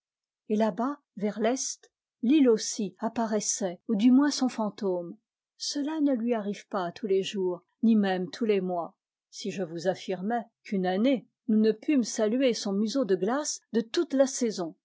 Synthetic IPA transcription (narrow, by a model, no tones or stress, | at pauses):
elaba | vɛʁlɛst̪ | lilosiapaʁɛsɛud̪ymwɛ̃sɔ̃fɑ̃t̪om | səlanəlɥiaʁivpat̪ʰuleʒuʁ | nimɛmt̪ʰulemwa | siʒəvuzafiʁmɛkʰynane | nunəpʰymsalyesɔ̃myzod̪əɡlasd̪ət̪ut̪lasezɔ̃